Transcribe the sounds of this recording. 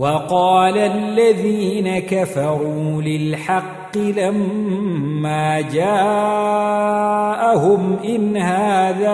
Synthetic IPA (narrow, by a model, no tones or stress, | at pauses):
wɑqɑːlalːaðiːnakafɑɾuːlɪlħɑqːɪlamː | aːd͡ʒaː | ʔahʊmʔɪnhaːðaː